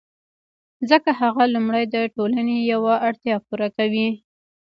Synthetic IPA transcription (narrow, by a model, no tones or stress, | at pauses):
zəkaɦaɣalumɽajd̪əʈolanejawaʔaɽt̪jɑpuɾakawi